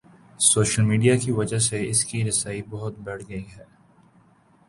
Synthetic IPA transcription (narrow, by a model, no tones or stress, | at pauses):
soːʃəlmiːɖijakiʋɐd͡ʒaseɪskiɾɪsaːibɔɦʊt̪̚bɛʈʰɡɐiɦɛː